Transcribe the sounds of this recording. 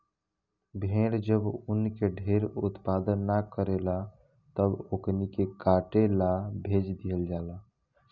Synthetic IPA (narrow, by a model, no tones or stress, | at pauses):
bʱeɽd͡ʒəbunkeɖʱeɾut̪pad̪ənːakəɾela | t̪əboknikekaʈelabʱed͡ʒd̪ijəld͡ʒala